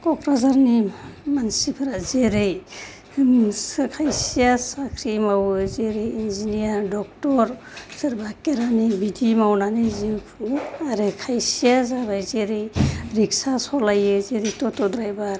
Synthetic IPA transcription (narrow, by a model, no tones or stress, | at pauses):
kɔkɾazaɾnimansipʰɯɾazeɾej | skʰajsijasakʰɾimawzeɾejinzinijaɾdɔk̚tɔɾ | sɯɾbʱakeɾanibidimawnanizi | aɾekʰajsijazabajzeɾejɾiksasɔlajɯzeɾejtɔtɔdɾajbaɾ